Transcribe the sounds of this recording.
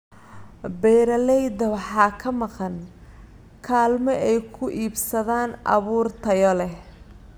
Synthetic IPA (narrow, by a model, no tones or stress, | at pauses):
bɛːɾɐlɛjd̪ɐwɑħɑːkʰɐmɑqɑn | kʰaːlmɛʔɛjkʰʊʔiːbsɐðaːnɑ̰βuːrt̪ʰɐjɔlɛh